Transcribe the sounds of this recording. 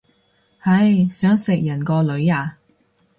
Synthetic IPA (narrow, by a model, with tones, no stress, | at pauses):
hɐ˧jsœː˨˥ŋsɪ˨k̚jɐ˨˩nkɔː˧lɵ˨˧˥ɥaː˨˩